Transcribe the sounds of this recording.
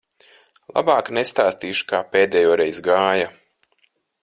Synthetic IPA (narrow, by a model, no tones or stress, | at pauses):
lˠa̰baːknest̪aːst̪iːʃu̥kaːpeːd̪ɛjoːɾɛjzɡaːja